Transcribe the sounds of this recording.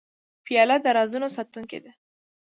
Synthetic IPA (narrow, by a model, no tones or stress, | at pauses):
pijɑlad̪əɾɑzunosɑt̪uŋkḛd̪e